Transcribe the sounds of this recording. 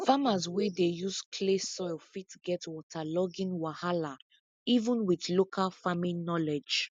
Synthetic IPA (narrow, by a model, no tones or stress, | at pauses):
famazwedejuskʰlesɔɪlfitɡɛtwɔtʰalɔɡĩnwahala | ivə̃nwiθlokʰalfamĩnɔlɛd͡ʒ